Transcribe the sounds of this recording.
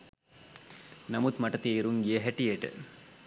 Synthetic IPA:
nɐmut̪mɐʈːɐt̪iɾuŋjeɦɐʈːijeʈɨ̰

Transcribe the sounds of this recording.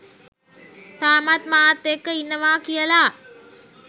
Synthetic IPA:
t̪aːmat̪maːt̪ːekːəinːəʋaːkijəla

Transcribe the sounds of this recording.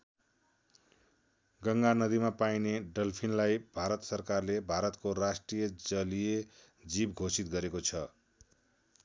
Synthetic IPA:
ɡʌŋɡanʌd̪imapajneɖʌlpʰinlajbʱaɾʌt̪sʌrkarlebʱaɾʌt̪korasʈrijʌd͡zʌlije | d͡zibɡʱosit̪̚ɡʌɾekot͡sʰʌ

